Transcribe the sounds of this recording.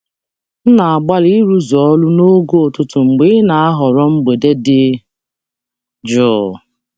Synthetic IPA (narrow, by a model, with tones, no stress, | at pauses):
n̩˦na˨a˨ɡ͡ba˦li˦ɾu˦zɔ˦lʊ˦no˦ɡo˦o˨tʊ˦tʊ˨ŋ͡m̩˨ɡ͡be˦na˨a˦ɦɔ˨ɾɔ˦ŋ͡m̩˦ɡ͡be˨de˦dɪ˦ | d͡ʒʊ˦˨